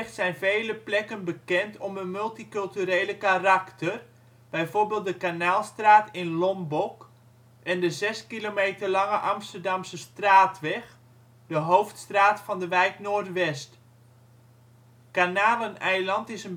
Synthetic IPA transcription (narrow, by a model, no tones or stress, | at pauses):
xtsɛjnvejləplɛkənbəkɛntʰɔmənmɵlˠtikɵlˠtyɾejləkaraktʰər | b̥ɛjvoːrbeːlˠt̚dəkanaːlˠstraːtɪnlɔmbɔk | ʔɛndəzɛskilomejtərlɑŋəʔɑmstərdɑmsəstraːtʋɛx | dəɦowftstraːtfɑndəʋɛjknoːrtʋɛst | kanaːlənɛjlɑntɪsən